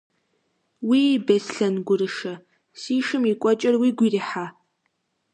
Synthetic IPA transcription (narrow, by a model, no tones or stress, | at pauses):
wiːbɐsɬɐnɡʷʊɾɨʂɐ | siːʃɨmikʷʼɔt͡ʃʼɐrwiːɡʷiːriħaː